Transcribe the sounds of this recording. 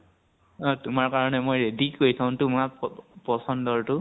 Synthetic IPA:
tʊmaɹkaɹɔnɛmojɹedikojtʰãʊ̃tʊmapɔsɔndɔɹtʊ

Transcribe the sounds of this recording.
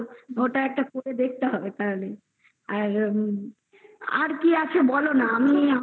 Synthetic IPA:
oʈaɛk̚ʈakoɾed̪ek̚t̪eɦɔbet̪aɾale | aɾ | a̰ɾkiat͡ɕʰebɔlonaamia

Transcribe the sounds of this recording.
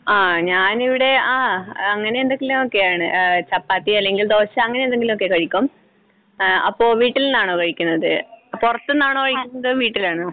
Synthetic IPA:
aːɲaːniʋiɽe̞aːɐŋːɐne̞end̪eŋɡilumo̞kːe̞jaːɳɨt͡ɕɐpːaːt̪ːiɐlːe̞ŋɡild̪o̞ːɕɐɐŋːɐnend̪eŋɡilumo̞kːe̞kɐɻikʲːum | ɐ̰pːo̞ːʋiːʈːilnːaːɳoːkɐɻikʲːunːɐðɨpurɐt̪ːenːaːɳoːkɐɻikʲːunːɐðɨʋiːʈːilaːɳɨ

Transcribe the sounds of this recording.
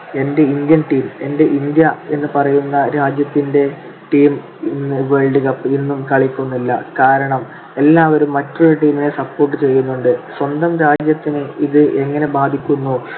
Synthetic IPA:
e̞nde̞ind̪jɐnʈiːme̞nde̞ʔind̪jɐe̞nːɨpɐrɐjunːɐɾaːd͡ʑjɐt̪ːinde̞ | ʈiːm | inːɨʋe̞ɭɖiɣɐpːɨinːumkɐɭikʲːunːilːɐkaːɾɐɳɐm | e̞lːaːʋɐɾumːɐtːoɾuʈiːmine̞sɐpːo̞ːrʈːɨt͡ɕe̞jːunːuɳɖɨswɐnd̪ɐmɾaːd͡ʑjɐt̪ːinɨiðɨʔe̞ŋːɐne̞baːd̪ʱikʲːunːu

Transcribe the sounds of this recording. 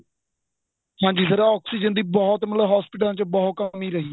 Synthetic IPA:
hãːɲd͡ʒiːsəɾaɔːksiːd͡ʒənd̪iːbɔːt̪mət̪ləʋɦaːspɪʈəlãːt͡ʃbɔɦkəmiːɾəɦiː

